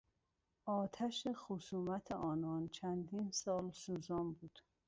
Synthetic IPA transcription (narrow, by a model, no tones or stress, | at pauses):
ʔɒːt̪ʰæʃexusuːmæt̪ʰeʔɒːnɒːnt͡ʃʰænd̪iːnsɒːlsuːzɒːmbuːd̪̥